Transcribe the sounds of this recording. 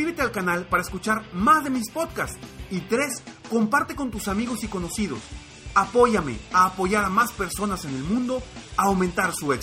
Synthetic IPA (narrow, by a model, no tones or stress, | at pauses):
ɾiβet̪e̞alkanalpaɾaeskut͡ʃaɾmazðe̞mispo̞ðkast̪it̪ɾe̞sko̞mpaɾt̪e̞ko̞nt̪usamiɣo̞siko̞no̞sið̞o̞̰s | apo̞ʝame̞aːpo̞ʝaɾamaspe̞ɾso̞nase̞ne̞lmũnd̪o̞awmẽnt̪aɾsuek